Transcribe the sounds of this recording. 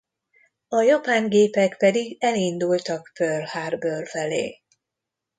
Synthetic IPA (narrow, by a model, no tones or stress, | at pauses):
ɒjɒpaːŋɡeːpɛkpɛd̪iɡɛlind̪ult̪ɒkpørhaːrbørfɛlḛː